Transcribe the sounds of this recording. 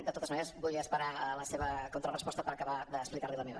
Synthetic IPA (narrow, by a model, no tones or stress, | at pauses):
d̪ət̪ot̪əzməneɾəzbulˠiəspəɾaələseβəkont̪ɾərəspɔst̪əpəɾəkəβaðəːksplikaɾliləmeβə̰